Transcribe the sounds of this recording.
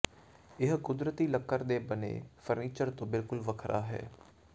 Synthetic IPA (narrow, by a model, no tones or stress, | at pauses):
ɪɦkʊd̪ɾət̪iːləkːəɾd̪eːbənḛːfəɾniːt͡ʃəɾt̪õːbɪlkʊlʋəkʰɾʔaːɦɛ̰ː